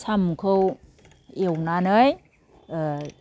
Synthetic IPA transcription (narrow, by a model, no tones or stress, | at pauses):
samkʰɯw | ewnanɯj